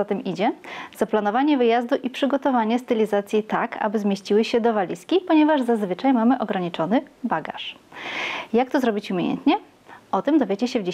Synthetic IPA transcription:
at̪ɛmʔid͡ʑɛz̥aplan̪ɔvaɲɛvɘjazd̪uʔipʂɘɡɔt̪ɔvaɲɛst̪ɛlʲizat̪sʲjit̪akʰa̰bɘzmʲjeɕt͡ɕiwɘɕɛd̪ɔvalʲiskʲipɔɲɛvaʐzazvɘt͡ʂajmamɘʔɔɡɾaɲit͡ʂɔnɘbaɡa̰ʂ | jak̚t̪ɔzɾɔbʲit͡ɕumʲjejɛ̰nt̪ɲɛ | ʔɔt̪ɛmd̪ɔvʲjed͡ʑɛɕɛvd͡ʑe

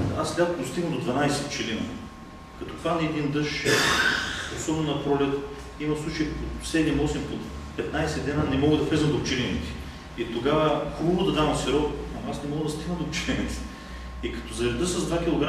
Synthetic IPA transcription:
aslʲad̪d̪ost̪iɡnəmd̪od̪vɐnajsɛt͡ʃɛlinə̰ | kɐt̪okvaniɛd̪ind̪ɤʃ | osɔbɛnonɐpɾɔlɛt̪ | imɐslˠut͡ʃəjpot̪sɛd̪imɔsimot̪ | pɛt̪najsɛd̪ɛnənɛmɔɡəd̪ɐflɛzəmd̪opt͡ʃɛlʲinit̪ɛ̥ | it̪oɡavəkɾuvod̪ɐd̪avɐmsiɾɔt̪ɐasnɛmɔɡəd̪ɐst̪iɡnəmd̪opt͡ʃɛlʲinit̪ɛ̥ | ikɐ̥t̪ozɐɾɛd̪ɤsɐzd̪vak̟ʲilˠoɡɾa

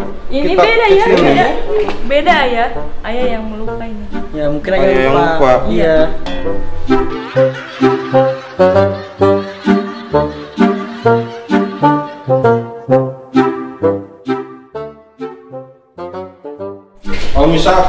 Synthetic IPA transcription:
iniabedajajabedaːjaajajaŋməlukainijamukɪnaajajaŋlaukaija | amisa

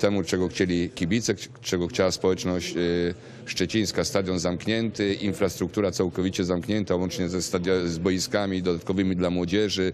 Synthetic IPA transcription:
t̪ɛmut͡ʂɛɡɔxt͡ɕelʲikʲibʲit̪sɛ | t͡ʂɛɡɔxt͡ɕawaspɔwɛt͡ʂnɔɕt͡ɕ | ʂt͡ʂɛt͡ɕĩj̃skast̪ad̪ʲjɔnzamkɲɛnt̪ɘinfɾast̪ɾukt̪uɾat̪sawkɔvʲit͡ɕɛzamkɲɛnt̪awɔnt͡ʂɲɛzɛst̪ad̪jazbɔjiskamʲid̪ɔd̪at̪kɔvɘmʲid̪lamwɔd͡ʑɛʐɘ

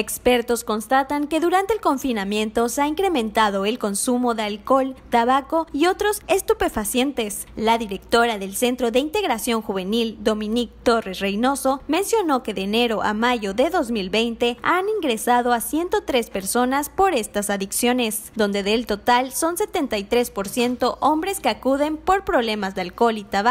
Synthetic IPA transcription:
ekspe̞ɾt̪o̞sko̞nst̪at̪aŋke̞ðuɾant̪eːlko̞ɱfinamjẽ̞nt̪o̞seaiŋkɾe̞mẽnt̪aðo̞e̞lko̞nsumo̞ðealko̞lt̪aβako̞io̞t̪ɾo̞se̞st̪upe̞fasje̞nt̪e̞s | laðiɾe̞kt̪o̞ɾaðe̞lse̞nt̪ɾo̞ðeint̪e̞ɣɾasjo̞ŋxuβe̞nild̪o̞mĩnik̚t̪o̞re̞srejno̞so̞mẽ̞nsjo̞no̞ke̞ðeːne̞ɾo̞ʔa̰maʝo̞ðe̞ðo̞zmilbe̞jnt̪e̞aniŋɡɾe̞saðo̞asje̞nt̪o̞t̪ɾe̞spe̞ɾso̞naspo̞ɾe̞st̪asaðiksjo̞nes | d̪o̞nd̪eðelt̪o̞t̪also̞nse̞t̪e̞nt̪ajt̪ɾe̞spo̞ɾsje̞nt̪o̞ʔo̞mbɾe̞skeakuðe̞mpo̞ɾpɾo̞βle̞mazðealko̞lit̪aβa

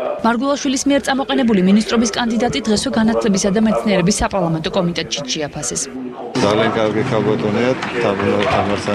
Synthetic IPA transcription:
maɾɡwɛlˠaʃwilismiɛɾt̪sʼamɔqʼɛnɛbuliminis̬t̪ʼɾɔbiskʼand̪id̪at̪ʼid̪ʁɛswɛɡanat̪ʰlɛbisad̪amɛt̪sʰniɛɾɛbisːapʼaɾlˠamɛnt̪ʼɔkʼɔmit̪ʼɛt̪ʼʃit̪ʃɛapʰasɛs | d̪zaliaŋɡʼaɾɡikʰalbat̪ʼuniat̪ʰːamnat̪ʰamaɾsa

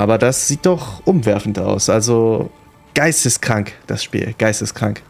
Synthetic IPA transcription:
ʔaːbɐdasz̥iːt̚d̥ɔχʔʊmvɛɐfn̩ta̰ʊsʔalzo | ɡ̥aɪstəskʁ̥aŋkd̥asʃpḭːlɡ̥aɪstəskʁ̥a̰ŋk

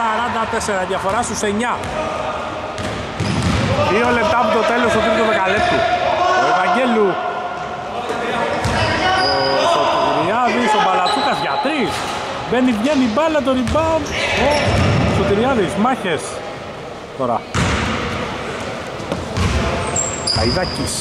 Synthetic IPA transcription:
aɾɐnd̪ɐt̪eseɾɐðʝɐfo̞ɾɐsuseɲɐ | ðio̞le̞p̚t̪ɐːpot̪o̞t̪e̞lo̞sot̪iɾt̪opekalept̪ioevaɲɟelu | sot̪iiɾiɐðisobɐlat̪ukɐzʝat̪ɾis | benivɲenibɐlɐt̪̬oɾibɐnosot̪iɾiɐðizmɐçes | t̪oɾɐ̰ | ɐ̰iðɐcis

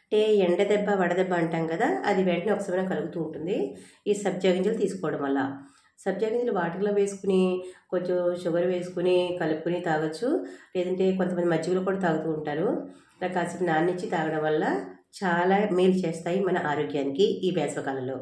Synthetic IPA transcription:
ɐɳʈe̞ːɛɳɖɐd̪ɛbːɐʋɐɽɐd̪ɛbːɐːɳʈaːnkɐd̪aːʔɐ̰d̪iʋɛːʈɐniɔkɐsɐmɐjnakɐluɡut̪uːɳʈund̪i | iːsɐbd͡ʒaːɡiɲt͡ʃɐlt̪iːsu̥kɔːʋɐɽɐmʋɐlːɐ̰ | sɐbd͡ʒaːɡiɲt͡ʃɐluʋaːʈɐɡloːʋe̞ːsu̥kuniko̞ɲt͡ʃomʃuɡɐɾuʋe̞ːsu̥kunikɐlupukunit̪aːɡɐt͡ʃːule̞ːd̪ɐɳʈe̞ːko̞nt̪ɐmɐnd̪imɐd͡ʒːiɡuloːkuːɽaːt̪aːɡut̪uːɳʈaːɾu | ɾɐkaːsipnaːnnːit͡ʃːit̪aːɡɐɽɐmʋɐlːɐt͡ʃaːlaːmiːlt͡ʃeːst̪aːjimɐnɐʔaːɾoːɡjaːnikiiːbɛːt̪lɐkaːlɐloː

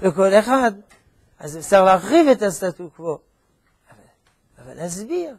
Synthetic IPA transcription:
vekolexad̪ | azefsaʁlaxʁivet̪ast̪at̪ukvo | ava | ava̰lazbiʁ

